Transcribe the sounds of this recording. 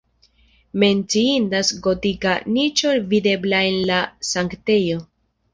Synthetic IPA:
me̞nt͡siindasɡo̞tikanit͡ʃoɾvide̞blae̞nlasaŋkte̞jo̞

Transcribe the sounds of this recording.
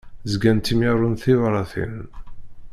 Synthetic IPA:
zɡænt̪imjaɾˤunθivɾˤɑθḭn

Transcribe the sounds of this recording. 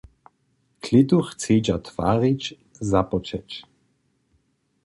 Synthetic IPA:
kʰlɪt̪uxt͡seːd͡ʒat̪v̥a̰ːʁit͡ʃ | zapɔt͡ʃɛt͡ʃ

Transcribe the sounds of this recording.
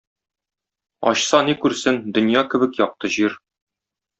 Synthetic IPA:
ɒ̰ɕsɑnikʉɾsɘnd̪ɵ̆njɑkɘ̆bɘ̆kjɒq̚t̪ɤʑiɾ

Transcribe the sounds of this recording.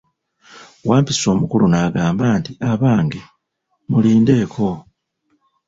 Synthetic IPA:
waːmpiso̞ːmukulunaːɡaːmbaːntiaβaːŋɡe | muliːnde̞ːkʰo̞

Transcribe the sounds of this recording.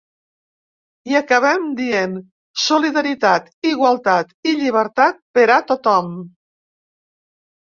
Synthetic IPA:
iəkəβ̞ɛmd̪ien | suliðəɾit̪at̪iɣwalˠt̪at̪iʎiβ̞əɾt̪at̪̚pəɾat̪ot̪ɔm

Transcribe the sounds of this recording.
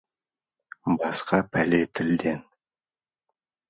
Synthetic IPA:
bɑsqɑpʰælet̪ʰɪld̪e̞n

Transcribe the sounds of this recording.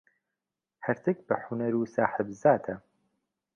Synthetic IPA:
hɐɾt̪ʰɨk̚bɐħʊnɐɾuːsaːħɨbzaːt̪ʰɐ

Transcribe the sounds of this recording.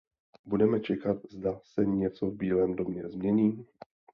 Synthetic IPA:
budɛmɛt͡ʃɛkat̪̚zdasɛɲɛt͡so̞vbiːlɛːmdo̞mɲɛzmɲɛɲiː

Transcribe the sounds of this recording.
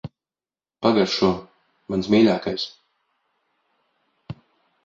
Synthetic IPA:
paɡaɾʃuɔ | mansmiːlʲaːkajs

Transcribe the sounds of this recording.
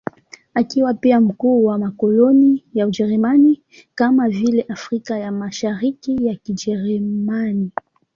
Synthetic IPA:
akiwapiam̩kuːwamakɔlɔnijaud͡ʒɛɾɛmani | kamavilɛʔafɾikajamaʃaɾikijakid͡ʒɛɾɛmani

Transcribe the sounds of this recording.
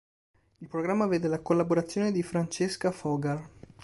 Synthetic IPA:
ilpɾoɡɾamːaveːd̪elakolːaboɾat̪sːjoːned̪ifɾant͡ʃeskafɔɡar

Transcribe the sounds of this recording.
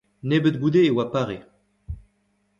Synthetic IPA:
nebət̪̚ɡud̪eːwapaʁe

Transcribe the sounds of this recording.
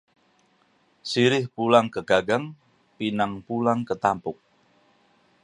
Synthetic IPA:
siɾɪhpulaŋkəɡ̥aɡaŋ | pinaŋpulaŋkət̪ampʊk̚

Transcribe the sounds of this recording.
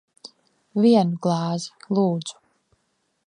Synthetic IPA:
viɛnuɡlˠɑːzi̥lˠuːd̪z̥u̥

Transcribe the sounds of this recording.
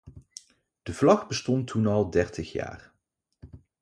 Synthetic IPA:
d̥əvlɑχbəstɔntʰːunɑlˠdɛɹtəχja̰ːr

